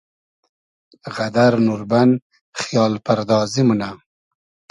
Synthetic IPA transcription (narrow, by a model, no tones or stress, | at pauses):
ɣad̪aɾnuɾban | χjɑːlpaɾd̪ɑːzimuna